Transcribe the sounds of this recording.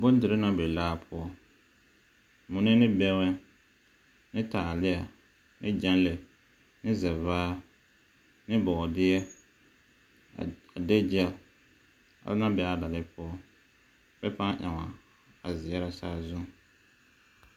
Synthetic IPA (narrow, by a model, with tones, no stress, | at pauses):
bo˦n˦dɪ˨ɾɪ˦na˦be˨laː˦pʰʊ˦ɔ˦ | mʊ˨ne˦nɪ˦bɛ˦wɛ˦ | nɪ˦taː˨lɪ˦a˨ | nɪ˦d͡ʒa˦n˦le˨ | nɪ˦zɛ˨vaː˦ | nɪ˦bɔ˨dɪ˦ɛ˦ | a˨de˦d͡ʒɪ˦ɛ˦˨l | a̰˨bna˦bɛ˦a˦da˨lɪ˦pʰʊ˦ɔ˦ | bɛ˦pa˦ʔa˨ŋa˨ | a˨zɪ˨jɛ˦ɾa˨saː˦zʊ˦ŋ˨